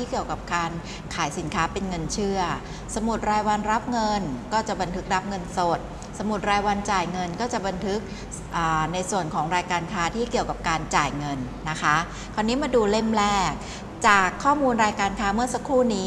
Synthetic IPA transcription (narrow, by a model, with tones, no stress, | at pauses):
iː˥˩ki˨˩əwka˨˩p̚kaː˧n | kʰaː˩˦jsi˩˦nkʰaː˦˥pe˧nŋɤ˧nt͡ɕʰɯ˥˩ɐ | sa˧mu˨˩t̪̚ɾaː˧jwa˧nɾa˦˥p̚ŋɤ˧nkɔː˥˩t͡ɕa˨˩ba˧nt̪ʰɯ˦˥k̚ɾa˦˥p̚ŋɤ˧nso˨˩t̪̚ | sa˧mu˨˩t̪̚ɾaː˧jwa˧nt͡ɕaː˨˩jŋɤ˧nkɔː˥˩t͡ɕa˨˩ba˧nt̪ʰɯ˦˥k̚ | ʔaː˨˩na˧jsu˨˩ənkʰɔː˩˦ŋɾaː˧jkaː˧nkʰaː˦˥t̪ʰiː˥˩ki˨˩əwka˨˩p̚kaː˧nt͡ɕaː˨˩jŋɤ˧nːa˦˥kʰa˦˥ | kʰɔː˧nːiː˦˥maː˧duː˧le˥˩mlɛː˥˩k̚ | t͡ɕaː˨˩kʰːɔː˥˩muː˧nɾaː˧jkaː˧nkʰaː˦˥mɯ˥ɐsa˧˦kʰuː˥˩niː˦˥